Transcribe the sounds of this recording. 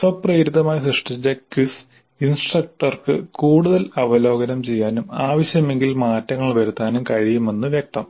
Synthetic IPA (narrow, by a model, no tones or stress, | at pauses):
sɐprɐjɾiðɐmaːjsrɨʂʈʰit͡ɕːɐkis | insʈrɐk̚ʈɐrkɨ̰kuːɽuðɐlɐʋɐlo̞ːɡɐnɐmt͡ɕe̞jːaːnumaːʋɐɕjɐme̞ŋɡilmaːtːɐŋːɐɭʋɐɾut̪ːaːnumkɐjɾijume̞nːɨʋjek̚t̪ɐm